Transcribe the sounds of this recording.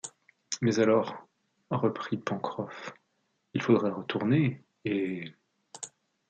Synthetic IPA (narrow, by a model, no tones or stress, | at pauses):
mɛzalɔʁ | ʁəpχipɑ̃kχɔf | ilfod̪ʁɛʁət̪ʰuʁneː